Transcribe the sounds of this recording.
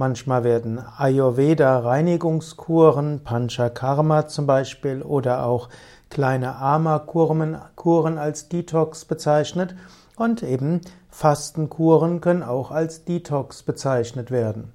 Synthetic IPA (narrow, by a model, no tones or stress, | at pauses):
mançmaːlveːɐdn̩ajoveːdaʁaɪnɪɡʊŋskʰuːɐʁənpʰanʃakʰaʁmat͡sʊmbaɪʃpiːlʔoːdɐʔa̰ʊx | kl̥aɪnəʔaɐmakʰumənkʰuːʁənalsd̥iːtʰɔksb̥ət͡saɪçnət | ʔʊntʔeːbm̩ | fastn̩kʰuːʁənkʰœnənaʊxalsd̥iːtʰɔksb̥ət͡saɪçnətv̥eːɐdn̩